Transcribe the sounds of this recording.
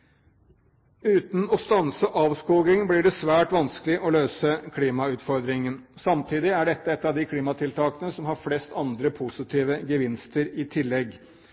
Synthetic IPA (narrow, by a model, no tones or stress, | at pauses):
ʉːt̪n̩ɔst̪ɑnsəʔɑːʋskuːɡɪŋblɪɖɛsʋæːʈʋɑnsklɪʔɔløːsəkʰliːmɑʉːt̪fɔɾd̪ɾɪŋən | sɑmt̪ʰiːd̪ɪæɖɛt̪ːəɛt̪ːɑʋd̪ɪkʰliːmɑt̪ʰɪlt̪ʰɑːkənəsɔmɦɑɾflɛst̪ʰɑnd̪ɾəpʰusɪt̪ʰiːʋəɡəʋɪnst̪əɾɪt̪ʰɪlːɛɡ